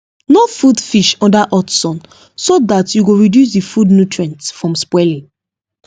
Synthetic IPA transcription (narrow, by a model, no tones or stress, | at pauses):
nofudfiʃɔ̃ndaʔɔtsɔ̃n | soðatjuɡoɹidjus̬difudnutɹɛ̃ntfɹɔ̃mspwɛlĩ